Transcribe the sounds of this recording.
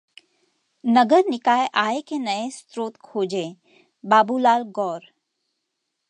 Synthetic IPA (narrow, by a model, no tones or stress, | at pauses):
nəɡəɾnɪkaːeʔaːekenɐest̪ɾoːt̪kʰoːd͡ʒe | baːbulaːlɡɔːɾ